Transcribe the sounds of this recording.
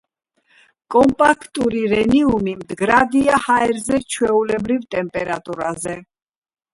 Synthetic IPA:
kʼɔmpʼakʰt̪ʼuɾiɾɛniumimd̪ɡɾad̪iahaɛɾzɛt͡ʃʰwɛulɛbɾivt̪ʼɛmpʼɛɾat̪ʼuɾazɛ

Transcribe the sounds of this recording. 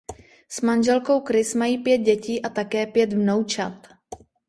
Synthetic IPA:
smanʒɛlkowkɾɪsmajiːpjɛt̪̚ɟɛciːʔat̪akɛːpjɛt̪mnowt͡ʃat̪

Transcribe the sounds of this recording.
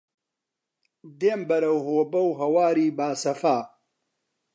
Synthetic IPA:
d̪eːmbɐɾɐwɦoːbɐwɦɐwaːɾiːbaːsɐfaː

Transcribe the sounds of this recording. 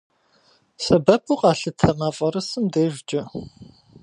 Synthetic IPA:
sɐbɐpʰuqʼɑːɬɨtʰɐmaːfʼɐɾɨsɨmdeːʒd͡ʒʼɪ

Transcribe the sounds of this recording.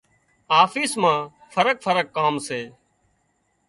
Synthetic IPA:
aːfiːsmãː | fʰəɾək̚fʰəɾəkːaːmseː

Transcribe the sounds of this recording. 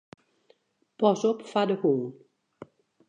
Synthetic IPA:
pɔsɔpfadəhoːl

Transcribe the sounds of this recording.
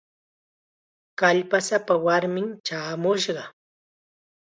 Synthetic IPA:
kaʎpasapawaɾmɪŋt͡ʃaːmʊʃɢɑ

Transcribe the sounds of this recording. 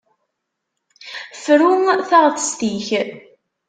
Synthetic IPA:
fɾuŋθɑʁˤtˤːst̪iç

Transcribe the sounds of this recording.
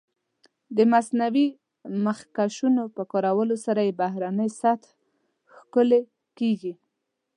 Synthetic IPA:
d̪əmasnawi | maxkaʃunopəkoɾawəlosaɾajebahɾanəjsat̪ | xkʊle | keɡi

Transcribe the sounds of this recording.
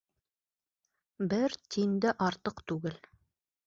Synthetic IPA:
bɘɾt̪ind̪ɘʔɑɾt̪ɤqt̪ʉɡɘl

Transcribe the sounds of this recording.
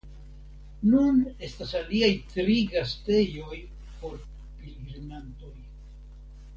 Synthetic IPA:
nune̞stasaliajtɾiɡaste̞jo̞j | po̞ɾ | pilɡɾnanto̞j

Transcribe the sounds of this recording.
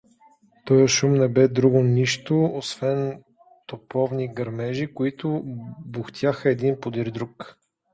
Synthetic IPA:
pəəʃumnɛbɛd̪ɾuɡʊniʃt̪ʊosvɛn | t̪opɔvniɡɐɾmɛʒikoit̪ʊboxt̪ʲʰjaxəɛd̪inpod̪iɾd̪ɾuk

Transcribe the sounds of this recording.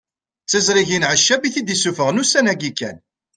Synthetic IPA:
t͡sːɪzɾiʝinʕəʃːæbiθid̪isufəʁnusænæɡikːæ̰n

